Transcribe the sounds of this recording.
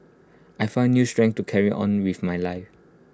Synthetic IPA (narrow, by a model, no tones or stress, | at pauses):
ʔajfãʊ̃nːjustɹɛ̃ŋk̚tukʰɛɹiʔɔ̰̃nwiθmajlaɪf